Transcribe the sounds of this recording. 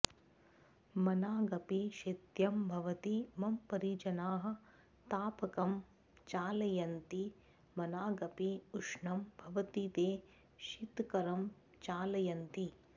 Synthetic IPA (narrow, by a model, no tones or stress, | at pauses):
mɐnaːɡɐpiʃɐt̪jɐmbʱɐʋɐt̪imɐmpɐɾiːt͡ʃɐnaːɦɐ̆ | t̪aːpɐkɐm | t͡ʃaːlɐjɐnt̪i | mɐnaːɡɐpiuʂɳɐmbʱɐʋɐt̪it̪eː | ʃit̪kɐɾɐm | t͡ʃaːlɐjɐnt̪i